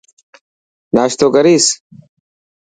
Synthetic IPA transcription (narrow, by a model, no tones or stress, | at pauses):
naːɕt̪oɡɐɾiːs